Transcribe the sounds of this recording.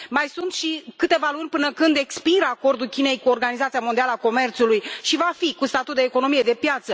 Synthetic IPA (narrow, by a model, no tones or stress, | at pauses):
majsunt̪ʃikɨt̪e̞valunʲpɨnəkɨnd̪e̞kspiɾəako̞rd̪ulkʲine̞jkuorɡanizat̪siamo̞nd̪ialəako̞me̞rt̪sulujʃivafikust̪at̪ut̪̚d̪eːko̞no̞mije̞d̪e̞pjat̪sə